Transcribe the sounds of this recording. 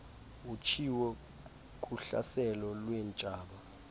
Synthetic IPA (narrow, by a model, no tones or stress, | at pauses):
ut͡ʃʰiwɛ | kʼuɬa̰sɛlɔlwɛnt͡ʃʼaːɓa